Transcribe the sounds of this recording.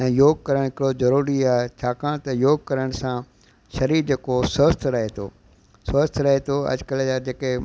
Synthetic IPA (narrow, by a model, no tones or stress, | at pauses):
ɛ̃ːjoːɡ̚kɐɾəɽ̃ɦɪkɽozɐɾuːɾiaːɦet͡ɕʰaːkʰãt̪ɐjoːɡ̚kɐɾəɽ̃sã | ʃɐɾiːɾd͡ʑekosəst̪ʰɾɐɦet̪ʰo̰ː | sʋəst̪ʰɾɐɦet̪ʰoɐ̰d͡ʑkəld͡ʑaːd͡ʑeːke